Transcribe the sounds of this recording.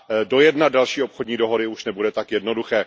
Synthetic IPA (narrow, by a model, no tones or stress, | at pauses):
do̞jɛdnadalʃiːo̞pxodɲiːdoɦo̞ɾɪuʃnɛbudɛt̪akjɛdnoduxɛː